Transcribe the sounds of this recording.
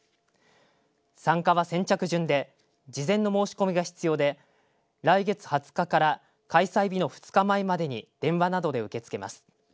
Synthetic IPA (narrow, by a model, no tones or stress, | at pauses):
sãŋkaβasẽ̞ɲt͡ɕakɯ̟ʑɨ̃nd̪e̞ | d͡ʑizẽ̞nːo̞mo̞ːɕi̥ko̞mʲiɡaçi̥t͡sɨjo̞ːd̪e̞ | ɾaiɡe̞t͡sɨ̥hat͡sɨ̥kakaɾa | kaisaibʲino̞ɸɯ̥t͡sɨ̥kamaimad̪e̞ɲ̟id̪̥ẽ̞ɰ̃βanad̪o̞d̪e̞ɯ̟ke̞t͡sɨ̥ke̞ma̰sɨ̥